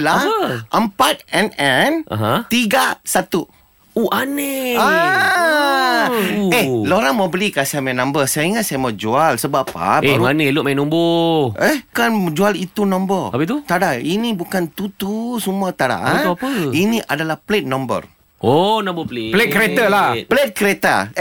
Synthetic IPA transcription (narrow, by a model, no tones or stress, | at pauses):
laəʔəmpat̪̚ɛnɛnʔa̰ɦãt̪iɡasat̪u | uʔanea | eloɾaŋmabəlikasajamajnãmbəsajaiŋasajamad͡ʒualsəbapa̰uanelʊʔ̚majnomboʔehkanmd͡ʒualit̪unɔ̃mbərapət̪ut̪adainĩbukant̪ut̪usumuat̪aɾa̰ʔnuapəiniʔadalahplet̪̚nɔ̃mbə̰r | ʔonãmbəplplet̪kəɾet̪alapəlet̪̚kəɾet̪a̰